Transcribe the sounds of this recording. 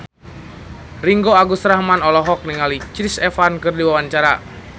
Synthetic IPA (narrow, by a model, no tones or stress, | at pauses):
riŋɡoaɡusɾahmanɔlɔɦɔk̚niŋalit͡ʃɾisɛfankɨrdiwawaɲt͡ʃaɾa